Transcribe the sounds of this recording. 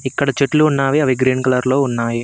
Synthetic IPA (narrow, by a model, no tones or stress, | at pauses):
ikːɐɽɐt͡ʃeʈluːnːaːʋiɐʋiɡɾiːnkɐlɐɾlo̞ːunːaːji